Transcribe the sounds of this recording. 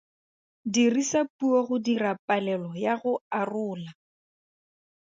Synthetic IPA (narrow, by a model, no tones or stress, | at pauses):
dirisapuɔɣʊdirapʼalɛlɔjaɣʊarʊːla